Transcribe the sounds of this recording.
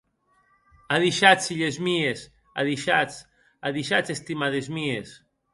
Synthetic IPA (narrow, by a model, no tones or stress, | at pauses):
aðiʃat͡ssiʎezmies | a̰ðiʃat͡s | aðiʃat͡sest̪imaðezmies